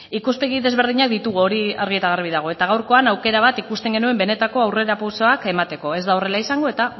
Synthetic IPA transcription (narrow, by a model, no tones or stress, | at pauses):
ikuspe̞ɣiðe̞zβe̞ɾðiɲak̚d̪it̪uɣ̞uo̞ɾia̰ɾɣ̞iet̪aɣarβ̞iðaɣ̞o̞e̞t̪aɣ̞awɾko̞anawke̞ɾaβat̪ikust̪e̞ŋɡe̞nue̞mbe̞ne̞t̪ako̞awre̞ɾapawsoake̞mat̪e̞ko̞e̞zd̪ao̞re̞laisaŋɡo̞e̞t̪a